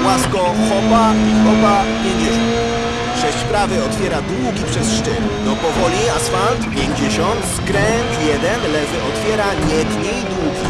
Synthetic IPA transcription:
waskɔxɔbaixɔbapʲjeɲd͡ʑeɕɔ̃nt̪ | ʂɛɕt͡ɕspɾavɘɔt̪fʲjɛɾad̪wuɡʲipʂɛsʂt͡ʂɘn | d̪ɔpɔvɔlʲiasfalt̪pʲjeɲd͡ʑeɕɔnt̪skɾɛnt̪jɛd̪ɛnlɛvɘʔɔt̪fʲjɛɾaɲɛd̪ɲed̪wuɡʲi

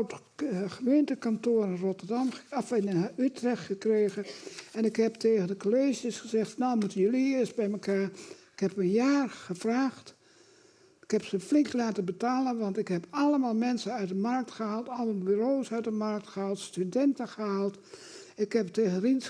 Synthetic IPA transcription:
t | χəmeːntəkantoəɾənrotərdɑmafnytrɛxtχəkreːɣəɛnɪkhɛp̚teːɣəndəkoleːʒjəsχəzɛxtnoːmutəjəliɪsbɛjməkaːɹɪkhɛpənjaːrχəvraːxt | ɪkhɛpsəflɪŋklaːtəbətaːlənʋɑntɪkɦɛpɑləmaːlˠmɛnsəœɥt̚dəmark̚tχəɦaːlˠtɑlˠəmalˠbyroːsœɥt̚dəmark̚txəɦaːlˠtstydɛntəχəɦaːlˠt | ɪkhɛpteːɣənrins

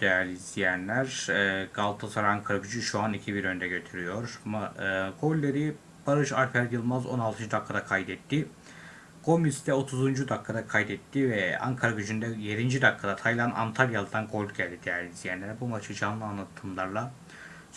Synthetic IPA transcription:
d̪̥ejæɾlizd̪ijænlʲæɾɛːɡalˠt̪ʰasaɾaŋkʰaɾɡyd͡ʒyʃuanicʰibiɾø̞nd̪ɛɟø̞t̪ʰyɾyjo̞ɾamaɯɡo̞lʲːeɾi | b̥aɾɯʃaɾpʰæɾjɯlˠmazo̞̰nalˠt̪ʰɯnd͡ʒud̪akʰːad̪akʰajd̪ɛt̪ːi | ɡ̥o̞misd̪ɛo̞t̪ʰuzund͡ʒud̪akʰːad̪akʰajd̪ɛt̪ʰːivɛa̰ŋkʰaɾɡyd͡ʒynd̪ɛjeɾind͡ʒid̪akʰːad̪at̪ʰajlˠanʔa̰nt̪ʰaɾjalˠɯd̪anɡo̞lʲɟælʲd̪id̪ejæɾlʲizʲijænlʲæɾbumat͡ʃʰɯd͡ʒanlˠɯanlˠat̪ʰɯmlˠaɾlˠa

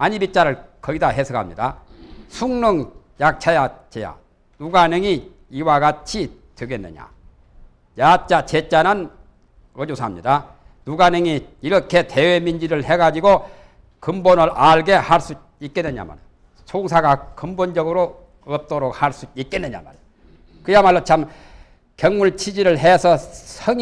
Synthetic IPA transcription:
aɲibit͡ɕ͈aɾɯɭkʌɡidaɦe̞sʰɯɡa̰mɲida̰sʰuŋnɯŋ | jak̚t͡ɕʰajat͡ɕeja̰ | nuɡanɯŋi | iwaɡat͡ɕʰitɯɡe̞nːɯ̰ɲa̰ | jat͡ɕ͈at͡ɕet͡ɕ͈anɯn | ʌd͡ʑosʰaamɲida | nuɡanɯŋiiɾʌkʰe̞te̞we̞mind͡ʑiɾɯɭhe̞ɡad͡ʑiɡo | kɯmbonɯɾʔaɭɡe̞haɭs͈u | ik͈e̞nːɯɲa̰ma̰nen | sʰoŋsʰaɡakɯmbond͡ʑʌɡɯɾo | ʌp̚t͈oɾok̚haɭs͈uik͈e̞nːɯɲa̰ma̰ɭ | kɯjamaɭːot͡ɕʰam | kjʌŋmuɭt͡ɕʰid͡ʑiɾɯɭɦesʰʌsʰʌŋ

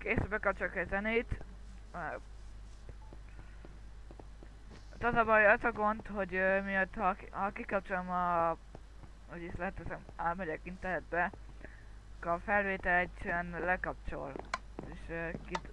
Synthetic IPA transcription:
keːsbɛkɒp̚t͡ʃolkɛzɛnejt̪ | t̪ɒzɒbɒjɒzɒɡo̞nt̪ho̞ɟømiøt̪hɒhɒkikɒp̚t͡ʃolmɒ | hoɟislɛt̪ːɛsɛmaːlmɛɟɛkint̪ɛrnɛd̪̚bɛ | kɒfɛlveːt̪ɛlɛɟɛnlɛkɒp̚t͡ʃo̞̰l | eːʃkit̪

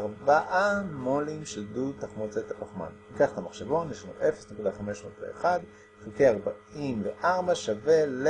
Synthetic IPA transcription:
ʁbaʔamolimʃedutaχmot͡set̪aʔoχma̰nikaχt̪amaχʃavo̞njeʃlanṵʔe̞fesne̞kudaχame̞ʃmot̪ḛḛχad̪ | fukeaʁbaimveʔaʁbaʃavel

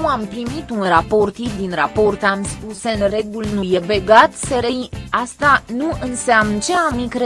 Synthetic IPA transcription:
uampɾimit̪unrapo̞rt̪id̪inrapo̞rt̪amspusɨnre̞ɡulnuje̞be̞ɡat̪seɾejast̪anuɨnseamnt͡ʃe̞amikɾe

